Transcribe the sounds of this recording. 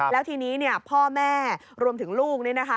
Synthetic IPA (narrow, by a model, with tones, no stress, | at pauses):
lɛː˦˥wt̪ʰiː˧niː˦˥ni˥˩ɐpʰɔː˥˩mɛː˥˩ | ɾu˧əmt̪ʰɯ˩˦ŋluː˥˩k̚n˥˩na˦˥kʰa˦˥